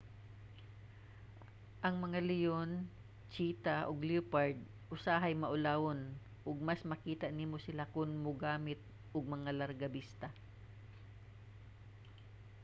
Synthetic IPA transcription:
ʔɐŋmɐŋalɪjon | t͡ʃiːt̪aʔoɡlupaɹd̪̚ | ʔʊsaɦɐjmɐʔʊlaːwon | ʔʊɡ̚masmɐkiːt̪aʔniːmosɪlakʊnmoɡaːmɪt̪̚ | ʔʊɡ̚mɐŋalɐɾɡɐbist̪a

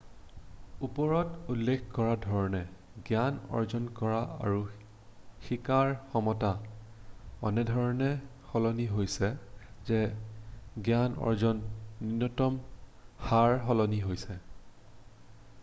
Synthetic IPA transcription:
upɔɹɔtulːekʰkɔɹadʱɔɹɔnɛ | ɡjanɔ̰ɹzɔnkɔɹaa̰ɹu | xikaɹxɔmɔta | ɔnɛdʱɔɹɔnɛ | xɔlɔniɦojsɛzɛ | ɡjanɔ̰ɹzɔnːinːɔtɔmxaɹɦɔlɔniɦojsɛ

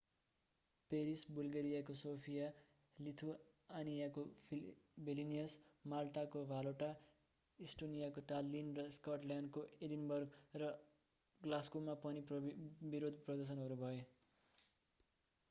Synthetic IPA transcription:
peɾisbulɡeɾijakosopʰija | lit̪ʰu | anijako | bilinijʌsmalʈ̪akobʱaloʈa | isʈonijakoʈ̪alːinrʌskʌʈljanɖkoelinbʌrɡrʌ | ɡlaskumːapʌnibiɾod̪ʱprʌd̪ʌs̬ʌnɦʌɾubʱʌjo

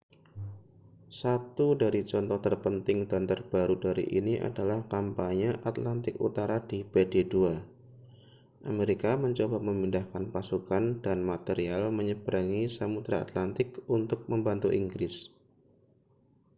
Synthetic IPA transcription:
sat̪udaɾit͡ʃɔnt̪ɔht̪ərpənt̪ɪŋdant̪ərb̥aɾudaɾḭʔiniʔa̰dalahkampaɲəʔat̪lant̪ɪkṵt̪aɾadibededua | ʔameɾikaməɲt͡ʃobaməmindahkanpasukandanmat̪eɾialməɲəbəɾaŋisamut̪ɾaa̰t̪lant̪ɪkunt̪ʊk̚məmbant̪uʔiŋɡɾɪs

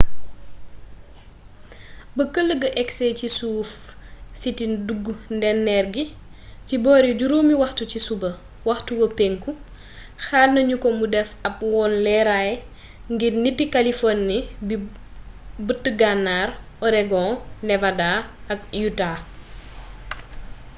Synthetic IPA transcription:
bəkəlːəɡɐʔɛksɛːcisuːf | sitinduɡːundɛnːɛrɡi | cibɔːɾiɟuɾomiwɐxtucisubɐ | wɐxtuwɐpeŋku | xaːlnɐɲukɔmudɛfɐp̚wɔːnlɛɾaj | ŋɡirnipːikalifɔnːibi | bətːəɡanːaːr | ɔɾɛɡɔ̃nɛvadaɐk̚juta

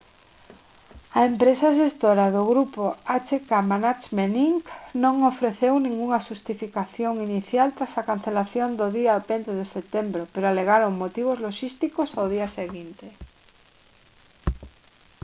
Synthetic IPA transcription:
aempɾesaʃ̬est̪oɾaðoɣɾupoat͡ʃekamanat͡ʃmeniŋknõŋofɾeθewnĩŋɡuŋaʃust̪ifikaθjoŋiniθjalt̪ɾasakan̟θelaθjond̪oðiapent̪eðeset̪embɾopeɾoaleɣaɾoŋmot̪iβ̞ozloʃist̪ikosawð̞iaseɣint̪e

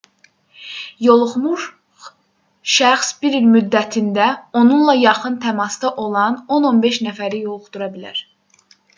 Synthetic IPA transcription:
jo̞lˠχmuɾ | ʃæxsbiɾilmyd̪ːæt̪ʰind̪æo̞nunlˠɑjɑχɯnt̪ʰæmɑst̪ɑʔo̞lˠɑno̞no̞nbe̞ʃnæfæɾijo̞lˠuχd̪̥uɾɑbilæ̰ɾ

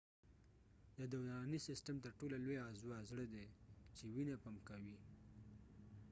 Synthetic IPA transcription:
d̪əd̪awanisɪstəmt̪əɾʈolalojɑzuazɽəd̪et͡ʃewinapamkawi

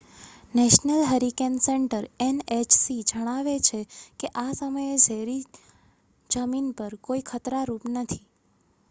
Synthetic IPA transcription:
nɛʃnəlɦəɾikenseɳʈəɾenet͡ʃsid͡ʒəɽ̃aʋet͡ʃʰekeʔasəməjed͡ʒʱeɾi | d͡ʒəminpəɾkoikʰət̪ɾaɾupnət̪ʰi

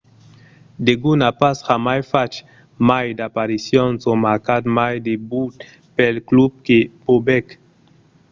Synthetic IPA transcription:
d̪eɡunapasxamajfat͡ʃ | majd̪apaɾisjɔ̃nsomaɾkad̪majd̪ebut̪ | pɛlklub̚kepobɛk

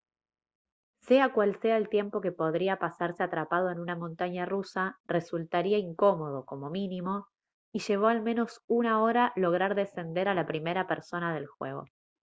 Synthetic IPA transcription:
se̞akwalse̞aelt̪je̞mpo̞ke̞po̞ð̞ɾiapasaɾse̞at̪ɾapað̞o̞enunamõ̞nt̪aɲarusare̞sult̪aɾiaiŋko̞mo̞ð̞o̞ko̞mo̞minimo̞ | iʃe̞β̞o̞almeno̞sunao̞ɾalo̞ɣ̞ɾaɾðe̞se̞nd̪e̞ɾalapɾime̞ɾapeɾso̞naðe̞lxwe̞̰ɣ̞o̞̰

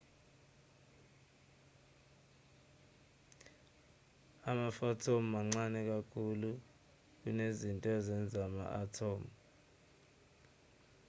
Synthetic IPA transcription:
amafɔtʰom̩maŋ͡ǀanɛk̬akʰulu | k̬unezintʼɔzɛnd͡zʱama̰ʔatʰoːm

